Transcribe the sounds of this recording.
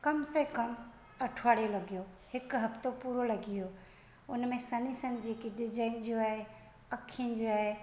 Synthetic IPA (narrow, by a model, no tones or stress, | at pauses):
kɐmsekɐm | ɐʈʰaːɽjolɐɡijoː | hɪkɦɐpt̪opuːɾolɐɡioː | ʊnmẽsɐnisənɪ̆d͡ʑeːkiɖɪd͡ʑaːɪnd͡ʑoaːɦe | ɐkʰiənd͡ʑoaːɦe